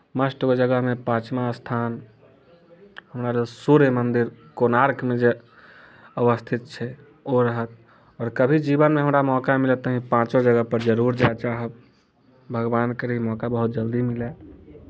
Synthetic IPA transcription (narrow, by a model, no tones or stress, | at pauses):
məsʈkod͡ʒəɡəɦmẽpãːt͡ʃmast̪ʰaːn | həmɾalesuɾəmənd̪iɾkonaɾkmẽd͡ʒe | əʋəst̪ʰit̪̚t͡ʃʰɛ | oɾəɦət̪̚ | ɔːɾkəbʱid͡ʒibənmeɦəmɾamɔkamilət̪ːəɦĩpãt͡ʃod͡ʒəɡəɦpəɾd͡ʒəɾuɾd͡ʒat͡ʃaːɦə | bʱəɡbaːnkəɾimɔːkabəɦut̪̚d͡ʒəld̪imile